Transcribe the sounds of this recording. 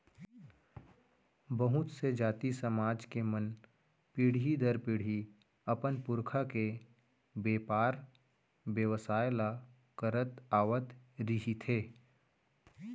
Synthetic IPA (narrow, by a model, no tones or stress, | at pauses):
bəɦʊt̪sed͡ʒaːt̪isəmaːd͡ʒkemən | piɽid̪əɾpɪɽ̤i | ɐpənpʊɾkʰake | beːpaːɾ | bjəʋəsaːjla | kəɾət̪aːʋət̪ɾɪɦit̪ʰeː